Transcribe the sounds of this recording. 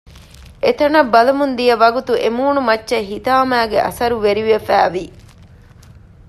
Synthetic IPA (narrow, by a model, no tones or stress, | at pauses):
et̪ɐnɐbːɐlɐmund̪ijɐʋɐɡut̪uʔemuːnumɐtːʃeɦit̪aːmæːɡeʔɐ̰sɐɾuʋeɾiʋefæːʋi